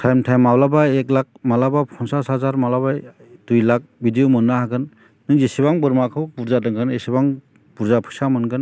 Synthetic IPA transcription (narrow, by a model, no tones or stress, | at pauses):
tʰajmtʰajmawlabaek̚lak̚malabapʰɔŋsasazaɾmalabaj | dujlak̚bʱidijomɯnːahaɡɯnː | ɯŋzesibaŋbɯɾmakʰɯwbuɾzadɯŋkʰɯnesibaŋ | puɾzapʰɯ̥samɯnɡɯn